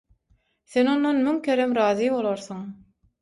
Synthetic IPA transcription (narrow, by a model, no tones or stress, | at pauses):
θeno̞nːonmyŋkʰʲeɾemɾɑːðijβo̞lˠoɾθuŋ